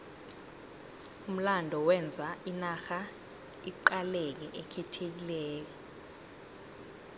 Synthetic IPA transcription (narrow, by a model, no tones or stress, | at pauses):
um̩landʱɔwɛnd͡zʱwaʔinaxa | iǃalek̬ɛʔekʰɛtʰek̬ilɛːk̬ɛ